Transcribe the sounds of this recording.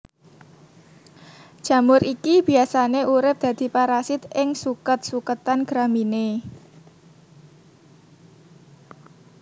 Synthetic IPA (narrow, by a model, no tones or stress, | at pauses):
ʒ̥ä̤mʊɾʔikib̥i̤asaneʔuɾɪp̚d̪̥ä̤d̪̥i̤paɾasɪt̪ɪŋsukət̪̚sukət̪anɡ̥ɾamine